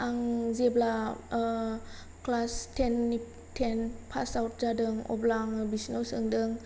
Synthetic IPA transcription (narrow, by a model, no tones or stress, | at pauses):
aŋzebla | klastʰenːi | tʰenpʰasawt̚zadɯŋɔ̰blaŋbisnowsɯŋdɯŋ